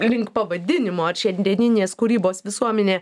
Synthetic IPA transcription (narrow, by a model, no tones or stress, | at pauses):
lʲɪŋkpɐʋɐd̪ʲɪnʲɪmoːɐɾʃʲɛnʲd̪ʲiɛnʲɪnʲeːskʊɾʲiːboːsʋʲɪsuɔmʲɛnʲeː